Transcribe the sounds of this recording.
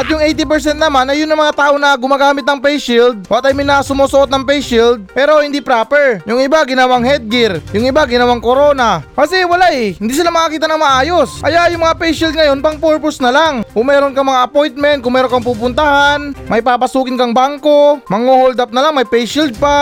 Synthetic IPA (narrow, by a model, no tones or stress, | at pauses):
ʔɐt̪jʊŋʔejt̪ɪp̬ɛɹs̬ɛnt̪nɐmanɐjʊnːɐŋmɐŋat̪aːʔonɐɡʊmaːɡaːmɪt̪̚nɐŋpɛjʃild̪̚wɐt̪ɐjmɐjnasʊmoːsoʔo̞t̪̚nɐŋpɛjʃild̪̚pɛːɾo̞hɪnd̪ipɾaːpɛɹjʊŋʔɪbaɡɪnɐwaŋhɛd̪̚ɡɪɾjʊŋɪbaɡɪnɐwaŋkoɾo̞ːnɐkɐsɛwɐlaʔɛhɪnd̪iːs̬ɪlamɐkɐkiːt̪ɐnɐŋmɐʔaːjo̞sʔɐjaʔjʊŋmɐŋapɛjʃild̪̚ŋɐjo̞npɐŋpoɹpʊsnɐlaŋkʊŋmɛːɾo̞nkɐmɐŋaʔɐpo̞jnt̪̚mɛnt̪̚kʊŋmɛːɾo̞nkɐŋpuːp̬ʊnt̪ɐhanmɐjpaːpɐsuːkɪnkɐŋbaŋko̞mɐŋohold̪ɐp̚nɐlaŋmɐjpɛjʃild̪̚pa